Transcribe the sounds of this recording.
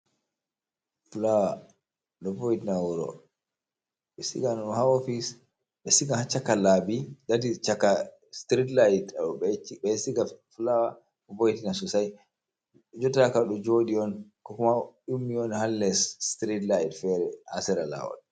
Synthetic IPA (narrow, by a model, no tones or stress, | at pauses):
fulawa | ɗɔbojtinawuɾɔ̰ | ɓɛsḭɡanɔhaofis | bɛsiɡahat͡ʃːakːalabidadit͡ʃakːa | stɾitlajtaɔbɛbɛsiɡaflawa | kɔbojtinasusaj | d͡ʒɔtakaɗɔd͡ʒoɗiɔnkɔkumaɗumːiɔnhalːɛstɾidlajdfɛɾɛhasɛɾala̰wa̰ɗ